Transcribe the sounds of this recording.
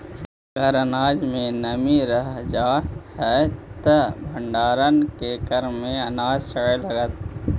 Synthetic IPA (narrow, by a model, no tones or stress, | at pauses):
ɡəɾənaːd͡ʒmẽnəmiɾəɦd͡ʒaːhɛt̪əbʱə̃ɳɖaːɾənkekəɾmẽɐnaːd͡ʒsəɽəlɐɡət̪̚